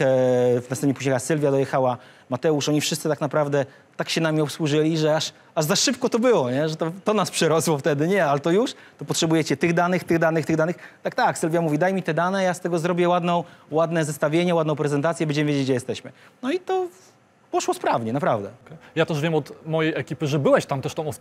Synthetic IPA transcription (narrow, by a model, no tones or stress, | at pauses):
vnasɛmɲʲɛpuʑɲɛxasɘlvʲjad̪ɔjɛxawa | mat̪ɛuʂɔɲifʂɨst̪sɘt̪aknapɾavd̪ɛ | t̪akɕɛnamʲiɔpswuʐɘlʲiʐɛaʂ | aʐzaʂɘp̚kɔt̪ɔbɘwɔɲɛʐɛt̪ɔt̪ɔnaspʂɛɾɔswɔft̪ɛd̪ɘɲɛalɛt̪ɔjuʂt̪ɔpɔtʂɛbujɛt͡ɕɛt̪ɘɣd̪anɘxt̪ɘɣd̪anɨxt̪ɘɣd̪anɘxt̪ak̚t̪aksɘlvʲjamuvʲid̪ajmʲit̪ɛd̪anɛjast̪ɛɡɔzɾɔbʲjɛwad̪nɔ̃w̃wad̪nɛzɛst̪avʲjeɲɛwad̪nɔ̃w̃pɾɛzɛnt̪at̪sʲjɛbɛnɲd͡ʑɛmɘvʲjed͡ʑet͡ɕʲd͡ʑɛjɛst̪ɛɕmɘnɔit̪ɔ | pɔʂwɔspɾavɲɛnapɾavd̪ɛ̰ɛjat̪ɛʐvʲjɛmɔt̪mɔjejɛkʲipɘʐɛbɘwɛɕt̪amt̪ɛʂt̪ɔ̃w̃ɔ